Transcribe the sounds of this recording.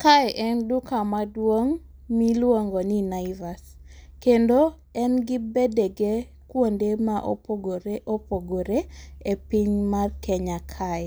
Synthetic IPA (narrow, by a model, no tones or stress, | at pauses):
kaɛʔɛndukamadwoŋ | milwoŋɡoninaivaskendo | ɛnɡɪbedeɡe | kwondemaʔo̰oɡoɾeʔopoɡoɾeepiɲmarkɛɲakʰaɛ